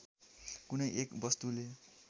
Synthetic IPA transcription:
kunʌjʔekbʌst̪ule

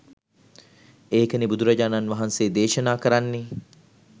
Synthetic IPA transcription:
eːkənibud̪uɾɐd͡ʒaːnanʋaɦanseːd̪eːʃɐnaːkəɾanːe

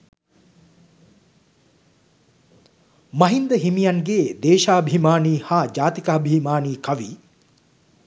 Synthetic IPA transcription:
mɐɦind̪əɦimijaŋɡeːd̪eːʃaːbʱimaːniːhaːd͡ʒaːt̪ikaːbʱimaːniːkɐʋḭː

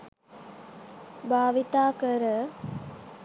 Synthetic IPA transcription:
bʱaːʋit̪aːkəɾə

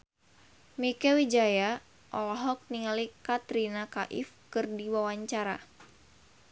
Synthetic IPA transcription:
mikɛwid͡ʒaja | ʔɔlɔɦɔk̚niŋalikat̪ɾinakaʔḭfkɨrdiwawaɲt͡ʃaɾa

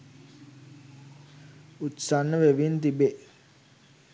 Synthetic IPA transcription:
ut̪sanːəʋeʋint̪ibe

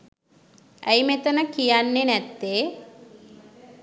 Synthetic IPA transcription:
æjmet̪ənəkijanːenæt̪ːeː

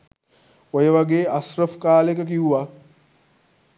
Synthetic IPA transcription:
ojəʋaɡeːasrəfkaːlekək̬iuʋa

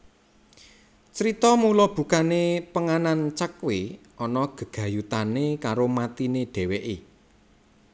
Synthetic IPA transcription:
t͡ʃəɾit̪ɔmulɔb̥ṳkanepəŋanant͡ʃəkwe | ʔɔnɔɡ̥ə̤ɡ̥a̤jut̪anekaɾomat̪ineɖ̥ɛ̤weʔe

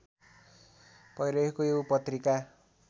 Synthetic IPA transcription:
pʌjɾʌekoewpʌt̪rika

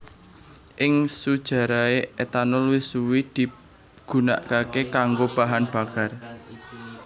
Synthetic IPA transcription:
ʔɪŋsud̥ʒ̥a̤ɾaeet̪anʊlwisuwid̪̥i̤ | ɡ̥ṳna̰ʔkakekaŋɡob̥a̤ɦanb̥a̤kar

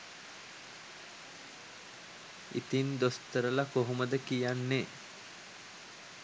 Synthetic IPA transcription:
ḭt̪ind̪ost̪əɾəlakoɦuməd̪əkijanːe

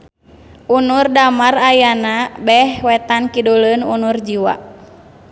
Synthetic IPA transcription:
ʔunurdamarajanabɛhwɛt̪ankidulənṵnurd͡ʒiwa̰

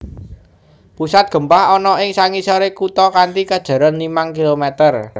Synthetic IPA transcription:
pusat̪̚ɡ̥ə̤mpahɔnɔɪŋsaŋisɔɾekut̪ɔkant̪ikad̥ʒ̥ä̤ɾɔnːimaŋkilomɛt̪ər

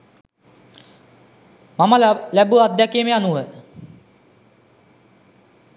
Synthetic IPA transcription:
mamalalæbuad̪ːækiːmeanuʋə

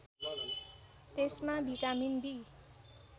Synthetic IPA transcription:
t̪esmabʱiʈaminbi

